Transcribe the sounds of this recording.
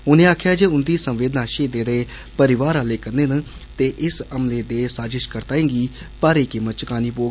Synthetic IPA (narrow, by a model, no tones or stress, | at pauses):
ʊnẽːaːkʰjaːd͡ʒeːʊnd̪iːsəmʋeːd̪nãːʃeːd̪eːd̪eː | pəɾɪʋaːɾaːleːkəɾneːn | t̪eːʔɪsəmleːd̪eːsaːd͡ʒɪʃkəɾt̪aːẽːŋɡiː | paːɾiːkɪmət̪t͡ʃkaːniːpoːɡ